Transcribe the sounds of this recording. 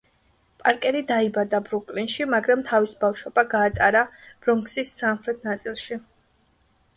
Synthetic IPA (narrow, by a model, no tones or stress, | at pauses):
pʼaɾkʼɛɾid̪aibad̪abɾukʼlinʃimaɡɾamt̪ʰavisbafʃwɔbaɡaːt̪ʼaɾab̥ɾɔŋksisːamχɾɛt̪ʰnat̪sʼilˠʃi